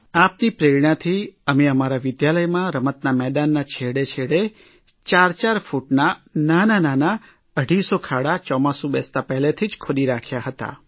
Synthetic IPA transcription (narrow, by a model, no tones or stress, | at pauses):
apnipɾeɾɳãt̪ʰiəmeəmaɾaʋɪd̪jaləjmãɾəmət̪namɛɗanːat͡ʃʰeɽet͡ʃʰeɽe | t͡ʃaɾt͡ʃaɾfuʈnanananana | əɽisokʰaɽat͡ʃɔmãsũbɛst̪apɛɦlet̪ʰid͡ʒkʰoɗiɾakʰjaɦət̪a̰